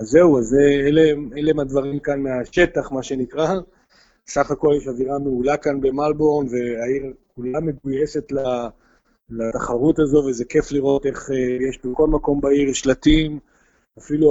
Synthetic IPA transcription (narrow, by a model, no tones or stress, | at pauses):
azːeuazeeleelemad̪vaʁimkanmeaʃe̞t̪aχmaʃe̞nikʁa | saχako̞ljeʃaviʁameulakanbe̞malbo̞nve̞aiʁkulame̞ɡujese̞t̪la | lat̪aχaʁutazo̞veze̞ke̞fliʁo̞t̪e̞χejeʃbeko̞lmako̞mbaiʁʃlatim | afilu